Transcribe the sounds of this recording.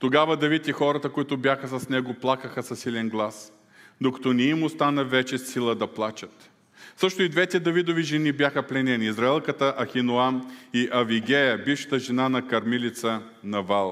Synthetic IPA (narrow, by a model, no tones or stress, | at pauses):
t̪oɡavɐd̪ɐvit̪ixɔɾɐt̪əkʊit̪ʊbjaxəsɐsnɛɡoplˠakəxəsɐsilɛnɡlˠas | d̪okɐ̥t̪ɔnɛimʊst̪anɐvɛt͡ʃɛsilˠəd̪ɐplˠat͡ʃət̪ | sɤʃt̪ʊid̪vɛt̪ɛd̪ɐvid̪oviʒɛnibʲjaxəplɛnɛniːzɾɐɛlˠkət̪əʔɐxinoamiʔɐviɡɛjɐbifʃɐ̥t̪əʒɛnanɐkɐɾmilit̪sə | nɐvalˠ